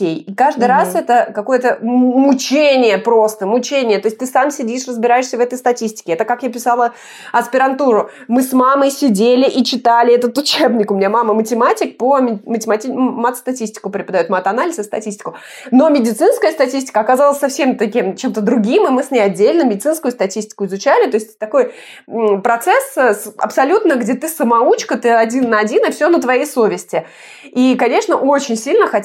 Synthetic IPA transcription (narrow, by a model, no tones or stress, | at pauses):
ejikaʐd̪ɨɾasɛt̪əkɐko̞jət̪əmʊt͡ɕenʲɪjəpɾo̞st̪əmʊt͡ɕenʲɪjət̪o̞ɪsʲt̚ʲt̪ɨsamsʲɪdʲiʂrəzbʲɪɾajɪʂsʲəvɛt̪əjst̪ɐtʲisʲtʲɪ̥kʲɪɛt̪əkakjapʲɪsalˠə | ɐspʲɪɾɐnt̪uɾʊ | mɨsmaməjsʲɪdʲelʲɪʔit͡ɕɪt̪alʲɪɛt̪ət̪ʊt͡ɕe̞bnʲɪkʊmʲɪnʲamaməmətʲɪmatʲɪk̚pəmʲmətʲɪmatʲimat̪st̪ɐtʲisʲtʲɪ̥kʊpɾʲɪpəd̪ɐjot̪mat̪ɐnalʲɪzɨst̪ɐtʲisʲtʲɪ̥kʊ | no̞mʲɪdʲɪt̪sɨnskəjəst̪ɐtʲisʲtʲɪ̥kəɐkazalˠəsʲsɐfsʲemt̪ɐkʲimt͡ɕe̞mt̪əd̪ɾʊɡʲimɨmɨsʲnʲeɐdʲːelʲnɨmʲɪdɪt̪sɨnskʊjʊst̪ɐtʲisʲtʲɪ̥kʊɪzʊt͡ɕælʲɪt̪o̞ɪsʲtʲt̪ɐko̞j | pɾɐt̪sɛssɐ̰psɐlʲut̪nəɡdʲe̞t̪ɨsəmɐut͡ɕkət̪ɨɐdʲinːəɐdʲinɨfsʲonət̪vɐjejso̞vʲɪsʲtʲɪ | ikɐnʲe̞ʂnəʔo̞t͡ɕɪnʲsʲilʲnəxɐ